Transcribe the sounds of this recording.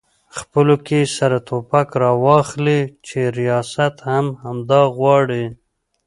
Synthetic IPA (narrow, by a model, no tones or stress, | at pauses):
xpəlokesaɾat̪ʰopakɾɑwɑxlit͡ʃeɾijɑsat̪hamhamd̪ɑɣwɑɽi